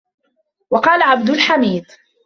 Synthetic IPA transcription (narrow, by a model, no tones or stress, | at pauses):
wɑqɑːlaʕab̚d̪ʊlħamiːd̪ˤ